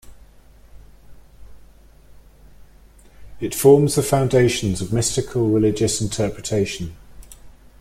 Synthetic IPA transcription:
ɪtfɔːmzðəfãʊ̃ndeɪʃə̃nzəvmɪstɪkʰəlˠɹɪlɪd͡ʒəsɪ̃ntʰɜˑpʰɹɪtʰeɪʃə̃n

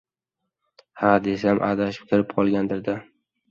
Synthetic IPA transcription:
had̪e̞s̬amʔa̰d̪aʃɪ̥p̚kʲʰɪɾɪp̚qʰɒlˠɡʲand̪ɪɾd̪a

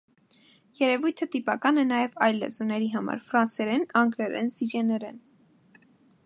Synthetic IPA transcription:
jɛɾɛvujt̪ʰət̪ipɑkɑnɛnɑjɛvɑjlːɛ̰zunɛɾiɦɑmɑ̰ɾfɾɑnsɛɾɛnɑŋɡɾɛɾɛ̰nsiɾjɛnɛɾɛn

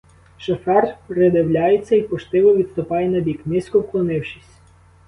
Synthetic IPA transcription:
ʃɔfɛrpɾed̪ewlʲajet͡sʲːɐipɔʃt̪ɪʋɔʋʲid̪st̪ʊpɑjenɐbʲiknɪsʲkɔwklˠɔnɪwʃɪsʲ

